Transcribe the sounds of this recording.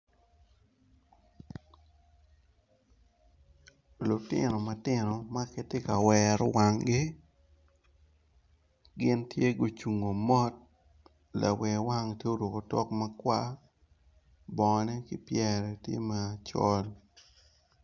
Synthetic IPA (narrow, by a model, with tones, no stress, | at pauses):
lʊ˨tɪ̰˦no˨ma˨tɪ˦no˨ma˦ke˦tɪ˦ka˨wɛɾwa˨ŋɡɪ˦ | ɡɪ˦ntje˦ɡo˨t͡ʃu˨ŋo˨mɔ˦t̚ | la̰˨wɛ˨wa˦ŋtje˦o˦ɾwo˨ko˨tɔ˦kma˦kwa˦ | bɔ˨nɛ˦kɪ˦pjɛɾɛ˨tjḛ˦ma˨t͡ʃɔ˦l